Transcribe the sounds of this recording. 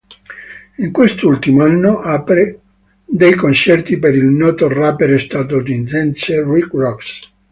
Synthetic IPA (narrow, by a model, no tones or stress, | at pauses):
iŋkwest̪ult̪imoanːoʔapɾe | d̪ejkont͡ʃɛrt̪ipeɾilnɔːt̪orapeɾest̪aːt̪od̪insɛnserikrɔks